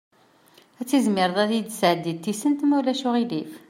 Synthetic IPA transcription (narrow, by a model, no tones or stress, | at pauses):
æt͡sːizmɪɾðˤæθjid̪sʕəd̪ːit̪ːisənt̪mulæʃuʁilif